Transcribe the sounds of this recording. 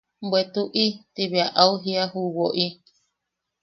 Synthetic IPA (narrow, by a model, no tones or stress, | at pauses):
bwet̪uʔit̪iβeaʔauɦiaɦuwoʔi